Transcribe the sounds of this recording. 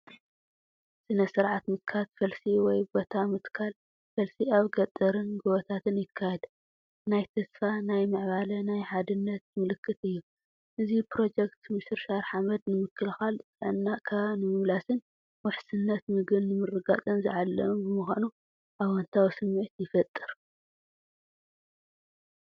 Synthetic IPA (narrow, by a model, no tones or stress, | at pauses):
sɨnɐsɨɾʕat̪mɨt̪̚kʰalfɐlsiwɔjbot̪ʰamɨt̪kʰal | fɐlsiaβɡɐt̪ʼːɐɾɨnɡɨβɐt̪ʰat̪ʰɨnjɪkʰːajɛd̪ | najt̪ʰɐsfanajmɨʕβalɐnajħad̪ɨnːɐt̪mɨlɨkːɨt̪ɨjːu | ʔɨzipɾo̞d͡ʒekt̪ʰmɨsɨɾʃaɾħamɐd̪nɨmɨkʰːɨlxalt͡sʼʕɨnːakʰaβnɨmɨmlasɨn | wʊħsɨnːɐt̪mɨɡɨnːɨmɨrːɨɡat͡sʼɨnzɨʕalːɐ̰mubɨmɨxanu | ʔaβwɐnt̪ʰawusɨmːiʕt̪jɪfɐt̪ʼːɨɾ